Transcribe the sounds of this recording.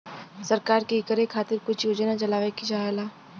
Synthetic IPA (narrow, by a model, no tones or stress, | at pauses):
sɐɾkaːɾkikəɾekʰaːt̪ɪɾkʊt͡ʃʰjoːd͡ʒənat͡ʃɐlaːʋekid͡ʒaːelaː